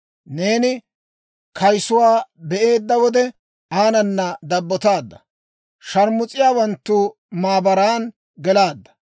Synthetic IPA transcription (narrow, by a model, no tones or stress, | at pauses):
ne̞ːnɪ | kʰɐjsʊwaːbɛʔe̞ːd̪ːɐwɔd̪ɛ | aːnɐnːɐd̪ɐbːɔt̪aːd̪ːɐ | ʃɐɾmʊt͡sʼːɪjaːwɐnt̪ːuː | maːbɐɾaːn | ɡɛlaːd̪ːɐ̥